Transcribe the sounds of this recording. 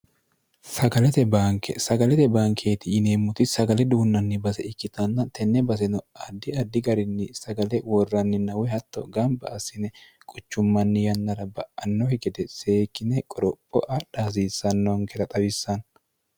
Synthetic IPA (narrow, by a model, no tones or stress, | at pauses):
sɐɡɐlɛt̪ɛbaːŋkʰɛ̰sɐɡɐlɛt̪ɛbaːŋkʰe̞ːt̪ɪɪneːmːʊt̪ɪsɐɡɐlɛd̪uːnːɐnːɪbɐsɛɪkːɪt̪ɐnːɐt̪ɛnːɛbɐs̬ɛnɔɐd̪ːɪɐd̪ːɪɡɐɾɪnːɪsɐɡɐlɛwɔrːɐnːɪnɐwɛhɐt̪ːɔ̰ɡɐmbɐ̰ːsɪnɛ | kʼʊt͡ʃːʊmːɐnːɪjɐnːɐɾɐbɐʔɐnːɔhɪɡɛd̪ɛseːkːɪnɛkʼɔɾɔpʼːɔʔɐᶑaːs̬iːsːɐnːɔŋkɛɾɐt̪ʼɐbɪsːɐn